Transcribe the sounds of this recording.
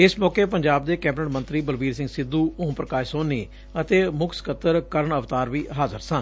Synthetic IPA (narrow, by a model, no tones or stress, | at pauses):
ɪsmɔːkeːpəɲd͡ʒaːb̚d̪eːkɛːb̚ʈəɳmə̃nt̪ɾiːbəlʋiːɾsɪ̃ŋɡsɪd̪uːõpɾəkaːʃsoːniː | ət̪eːmʊkskət̪əɾkəɾəɳəʋt̪aːɾʋiːɦaːzəɾsən